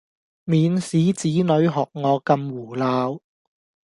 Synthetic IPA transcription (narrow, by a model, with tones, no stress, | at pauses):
miː˨˧nsiː˨˥t͡siː˨˥nɵ˨˧ɥɦɔː˨˩k̚ŋɔː˨˧kɐ˧mwuː˨˩laː˨˧w